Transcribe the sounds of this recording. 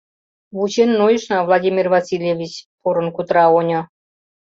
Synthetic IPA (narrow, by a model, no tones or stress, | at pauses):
βut͡ɕenːojə̆ʃnɑvlˠɑdʲimʲirvɑsʲilʲjevʲit͡ɕpoɾə̆nkut̪ɾɑonʲŏ